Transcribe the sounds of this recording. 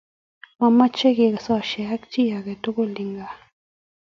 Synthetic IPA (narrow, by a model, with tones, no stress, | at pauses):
ma˨ma˦t͡ʃe˦ɡɪ˨ksɔ˦˨ʃɛ˨a˦kt͡ʃi˦ja˨ɡɛ˨to˦ko˦li˨ŋɡa˨